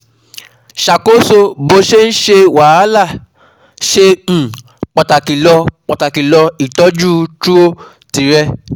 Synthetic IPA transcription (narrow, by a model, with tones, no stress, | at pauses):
ʃa˨ko˨˦so˧bo˧˦ʃe˦n̩˦ʃe˧wa˨a˦la˦˨ | ʃẽ˧˨ | k͡pɔ˨ta˨ki˨lɔ˧k͡pɔ˨ta˨ki˨lɔ˧i˨tɔ˨˦d͡ʒu˦tu˦o˦ | ti˨˦ɾɛ˧